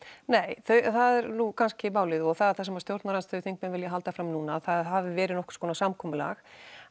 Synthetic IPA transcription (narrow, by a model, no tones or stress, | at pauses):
neːjθœɥθaðɛɾnukʰanscɪmaːwlɪðʏɔɣθaðθasɛmast̪jowɾt̪naɾanst̪œðʏθiŋk̚mɛnvɪljaɦalt̪afɾamnuːnaθaðɦavɪvɛːɾɪðnɔhkʏ̥ɾ̥skʰɔːnasamkʰɔːmʏla̰x